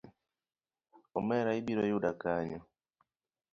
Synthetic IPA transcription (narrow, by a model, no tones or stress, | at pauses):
ɔmɛɾaibiɾɔjudakaɲɔ